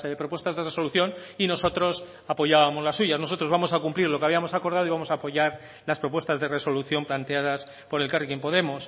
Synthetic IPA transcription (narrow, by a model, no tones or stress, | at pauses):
eðepɾo̞pwe̞st̪azðe̞re̞so̞luθjo̞nino̞sot̪ɾo̞s | apo̞ʝaβamo̞zlasːuʝazno̞so̞t̪ɾo̞zβamo̞sakumpliɾlo̞keaβiamo̞sako̞ɾð̞aðoiβamo̞saːpo̞ʝaɾ | laspɾo̞p̬we̞st̪azðe̞reso̞luθjo̞mplant̪e̞aðas | po̞ɾe̞lkarikempo̞ðe̞mos